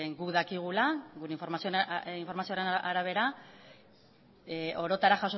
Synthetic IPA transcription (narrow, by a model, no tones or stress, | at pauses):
ɡukðakiɣ̞ulaɣuɾeiɱfo̞ɾmasioiɱfo̞ɾmasioɾenaɾaβ̞e̞ɾa | ʔo̞ɾo̞t̪aɾaxaso